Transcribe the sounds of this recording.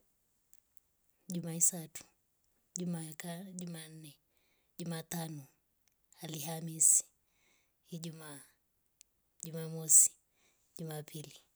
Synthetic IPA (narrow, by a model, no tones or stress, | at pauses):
ʄumaisatu̥ | umaʄuman̩nɛ | ʄumaːtanɔ | alihamisi̥ | hiʄumaː | ʄumaːmɔsi̥ | ʄumaːpʰili